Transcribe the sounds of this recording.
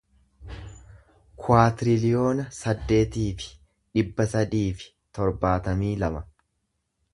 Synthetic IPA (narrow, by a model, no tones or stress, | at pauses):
kʰʊaːt̪ɪɾɪlɪjo̞ːnɐsɐd̪ːe̞ːt̪iːfɪ̥ | ᶑɪbːɐsɐd̪iːfɪ̥ | t̪ɔɾbaːt̪ɐmiːlɐmɐ